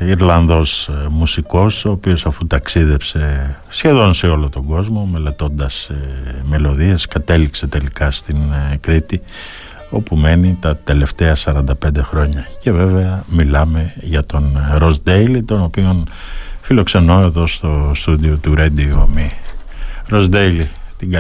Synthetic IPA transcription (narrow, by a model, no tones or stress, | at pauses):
iɾlɐnðo̞smusiko̞so̞ːpio̞sɐfut̪ɐksiðe̞pse̞ | sçe̞ðo̞nse̞o̞lo̞t̪o̞ŋɡo̞zmo̞me̞let̪o̞nd̪ɐsme̞lo̞ðiɐskɐt̪e̞likse̞t̪e̞likɐst̪inkɾit̪i | o̞pume̞nit̪ɐt̪e̞le̞ft̪e̞ɐsɐɾɐnd̪ɐpe̞nd̪e̞xɾo̞ɲɐce̞ve̞ve̞ɐmilɐme̞ʝɐt̪o̞nɾo̞zd̪ejlit̪o̞no̞pio̞nfilo̞kse̞no̞e̞ðo̞st̪o̞st̪ud̪io̞t̪uɾed̪ioomi | ɾo̞zd̪ejlit̪iɡ